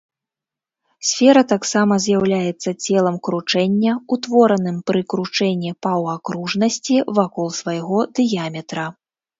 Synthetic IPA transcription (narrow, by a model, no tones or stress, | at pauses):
sʲfʲɛɾɐt̪aksamɐzʲjawlʲajɛt̪sːɐt͡sʲɛlˠɐmkɾut͡ʂɛnʲːɐut̪vɔɾɐnɨmpɾɨkɾut͡ʂɛnʲːipawakɾuʐnɐsʲt͡sʲivakɔlˠsvajɣɔd̪ɨjamʲɛt̪ɾɐ